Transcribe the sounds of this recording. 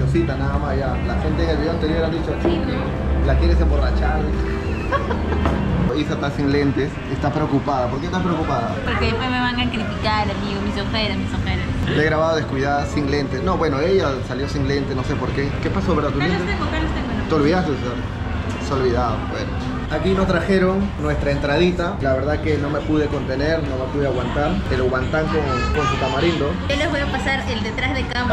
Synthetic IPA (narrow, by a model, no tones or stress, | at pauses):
osit̪anaðamasʝalaxe̞nt̪eŋelioant̪e̞ɾjo̞ɾaðit͡ʃosi | lakjeɾes̬embo̞rat͡ʃal | isat̪asiŋle̞nt̪es | est̪apɾeokupaðapoɾkest̪apɾeokupaðapoɾkeðepwezmeβaŋaŋkɾit̪ikaɾlamiɣomisoxeɾasmisoxeɾesleɣɾaβaðoðeskuiðaðsiŋle̞nt̪esno̞βwe̞noe̞ʝasaljo̞siŋle̞nt̪eno̞se̞poɾkeke̞pasopaɾat̪ullent̪eekokenest̪ekent̪eo̞lβiðast̪esa | seo̞lβiðaðobwḛno | akino̞st̪ɾaxe̞ɾo̞nnwe̞st̪ɾaent̪ɾaðit̪alaβe̞ɾðake̞no̞me̞puðe̞ko̞nt̪e̞neɾno̞me̞puðeaɣwant̪aɾeloɣwant̪aŋkoŋko̞nsut̪amaɾind̪oeleβeopasaɾeld̪et̪ɾazðelkamp